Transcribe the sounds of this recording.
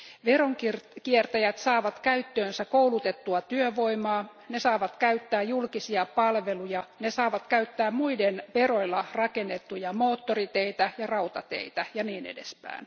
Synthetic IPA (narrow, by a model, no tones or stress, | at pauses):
ʋeroŋkirkiert̪æjæt̪sɑːʋɑt̪kæyt̪ːøːnsækoulut̪et̪ːuɑt̪yøʋoimɑːnesɑːʋɑt̪kæyt̪ːæːjulkisiɑpɑlʋelujɑnesɑːʋɑt̪kæyt̪ːæːmmuidenʋeroilːɑrɑkenːet̪ːujɑmoːt̪ːorit̪eit̪æjɑrɑut̪ɑt̪ḛit̪æjɑniːnḛdḛspæ̰in